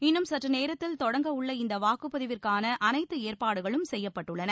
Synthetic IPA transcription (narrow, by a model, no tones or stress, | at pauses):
ɪnːɯmsɐʈrɐneːɾɐt̪ːɪlt̪ɔɽɐŋɡɐʊɭːɐɪnd̪ɐʋaːkɯpːɐðɪʋɪrkaːnɐʔɐnɐɪt̪ːɯeːrpaːɽɯɣɐɭɯmsɛjːɐpːɐʈːɯɭːɐnɐ